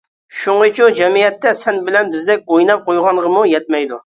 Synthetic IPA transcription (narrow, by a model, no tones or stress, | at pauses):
ʃuŋət͡ʃʰud͡ʒɛmijɛt̪ːɛsɛnbɪlɛnbɪzd̪ɛk̚ʲojnɑp̚qojʁɑnʁəmujɛt̪̚mɛjd̪u